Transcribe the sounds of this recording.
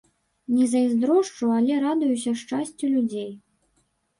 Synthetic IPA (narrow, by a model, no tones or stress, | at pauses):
nʲɛzɐizd̪ɾɔʂt͡ʂualʲɛɾad̪ujus̬ʲɐʂt͡ʂasʲt͡sʲulʲud͡zʲej